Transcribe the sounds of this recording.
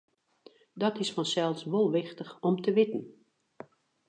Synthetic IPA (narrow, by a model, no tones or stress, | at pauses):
dɔtɪsfɔnsɛlˠsʋolˠʋɪxtəxɔmtəʋɪtn̩